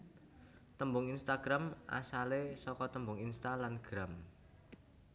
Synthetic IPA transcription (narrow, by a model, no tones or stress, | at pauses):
t̪əmbʊŋinst̪aɡ̥ɾamʔa̰salesɔkɔt̪əmbʊŋinst̪alanɡ̥ɾam